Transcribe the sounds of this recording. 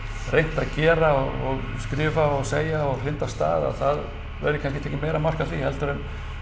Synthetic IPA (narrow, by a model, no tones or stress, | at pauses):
rejn̥t̪aðcɛːɾaɔɔɣskɾɪːvaɔɣseːjaɔɣr̥ɪnt̪ast̪a̰ːða̰ðθað | vɛ̰ɾɪkʰanscɪt̪ʰɛːcːɪmejɾamar̥kaθihɛlt̪ʏɾʏn